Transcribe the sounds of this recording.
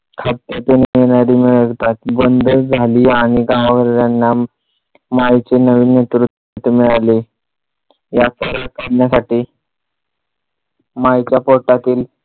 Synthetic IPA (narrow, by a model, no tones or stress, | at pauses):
kʰat̪ːət̪eñijeɽ̃aɾiːmiɭəɡt̪at̪bənd̪əd͡zʱaliːaɽ̃iɡãaʋəɾɾanːa | majt͡senəʋiːnet̪ɾut̪ | t̪ːmiɭale | jasəɾakaɽnjasaʈiː | majt͡ɕjapoʈat̪iːl